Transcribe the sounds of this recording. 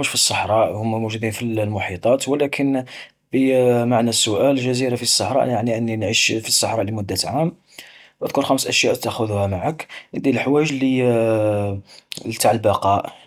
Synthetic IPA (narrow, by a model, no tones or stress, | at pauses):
uʃfisˤːɑħɾˤɑʔhʊmːæmuʒud̪infillmʊħit̪ˤɑt̪wəlækʰən | bimaʕnæsːʊʔælʒæziɾafisˤːɑħɾˤɑ̰ʔjaʕniʔənːinʕiʃfisˤːɑħɾˤɑʔlimʊd̪ːat̪ʕam | ʔæd̪kʊɾxæmsʔæʃjæʔt̪ːæxʊðuhæmaʕəkəd̪ilħwæjəʒli | lt̪aʕəlbɑqɑʔ